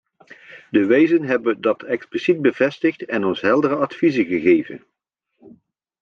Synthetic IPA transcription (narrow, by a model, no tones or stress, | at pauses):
dəʋejzənɦɛbədɑtɛksplisit̚bəvɛstəχtɛnɔnsɦɛlˠdərəɑtfizəɣəɣejvə̰n